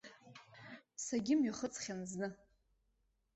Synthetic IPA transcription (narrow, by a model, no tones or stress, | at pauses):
saɡʲɪmɥaχət͡sʰʼχʲanznɨ